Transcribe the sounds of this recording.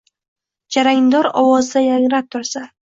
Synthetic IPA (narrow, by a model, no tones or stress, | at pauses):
d͡ʒaɾaŋd̪ɒɾɒwɒzd̪ajaɡʲɾat̪ʰʊɾsa